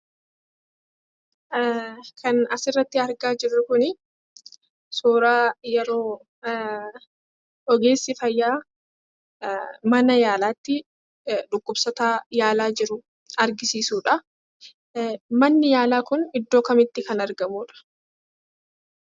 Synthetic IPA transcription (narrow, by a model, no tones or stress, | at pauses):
kʰɐnɐsɪrːɐt̪ːɪɐɾɡaːd͡ʒɪrːʊkʊnɪ | soːɾaːjɛɾo̞ː | ɔɡe̞ːsːɪfɐjːaː | mɐnɐjaːlaːt̪ːɪ | ᶑʊkːʊbsɔt̪aːjaːlaːd͡ʒɪɾʊ | ɐɾɡɪsiːsuːᶑɐ | mɐnːɪjaːlaːkʊnɪd̪ːoːkɐmɪt̪ːɪkɐnɐɾɡɐmuːᶑɐ̥